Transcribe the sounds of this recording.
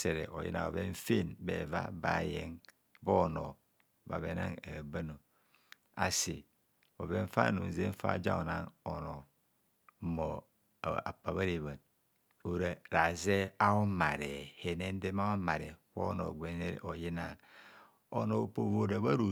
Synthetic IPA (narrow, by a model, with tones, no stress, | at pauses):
se˨ɾe˨ʔo˨jḭ˦na̰˨o˨βe˦ɱ̩˦fe˦˨nbḛ˨va̰˦ba˨je˦ŋ | bo˦no˨ | ba̰˨βe˦na˦ŋa˨ba˦no˨ | a˨si˨ | o˨βe˦ɱ̩˦fa̰˦˨nu˨n˨ze˦ɱ̩˦fa̰˦˨d͡ʒa̰˦o˨na˦˨ŋo˨no˨˦ | mo˨ | a˨pa˨βa˦ɾi˨βa˨n | o˨ɾa˨ɾa˨ze˦a˦o˦ma˨ɾe˨he˨ne˦n̩˦de˦ma˦a˦ma˨ɾe˨ko˦no̰˨ɡʷe˨˦ne˦ɾ̰ʔo˨ji˦na˨ | o˦no˨po˨vo˦ɾa˨βa˦ɾu˨